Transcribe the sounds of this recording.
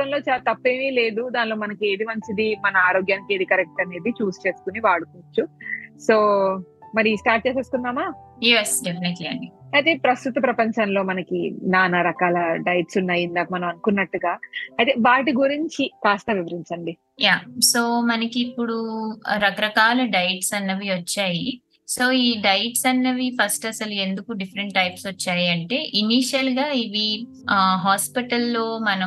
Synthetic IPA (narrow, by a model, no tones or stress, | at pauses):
ɐmlo̞ːt͡ʃalt̪ɐpːe̞ːmile̞ːd̪ud̪aːnlo̞ːmɐnɐkie̞ːd̪imɐnsid̪imɐnɐaːɾo̞ːɡjaːnike̞ːd̪ikɐɾɛk̚ʈɐne̞ːd̪it͡ʃuːst͡ʃe̞ːsu̥kuniʋaːɽukut͡ʃːuso̞ːmɐɾiisʈaːɾʈ̚t͡ʃeːse̞ːsu̥kunːaːmaːjesɖepʰineʈliɐɳɖiɐjt̪e̞ːpɾɐst̪ut̪ɐpɾɐpɐɲt͡ʃɐnlo̞ːmɐnɐkinaːnɐɾɐkaːlɐɖɐjʈsunːaːjind̪aːmɐnɐmɐnukunːɐʈːuɡaːɐjt̪e̞ːʋaːʈiɡuɾiɲt͡ʃikaːst̪ɐʋiʋɐɾiɲt͡ʃɐɳɖi | jaːso̞ːmɐnɐkiːpːuɽuɾɐkɐɾɐkaːlɐɖɐjʈsɐnːɐʋiʋɐt͡ʃːaːji | so̞ːiːɖɐjʈsɐnːɐʋipʰɐsʈɐsɐlue̞nd̪ukuɖifʰɐɾɐɳʈʈːɐjpsʋɐt͡ʃːaːjiɐɳʈe̞ːʔiniːʃɐlɡaːiʋi | ɦaːspiʈɐlːo̞ːmɐnɐ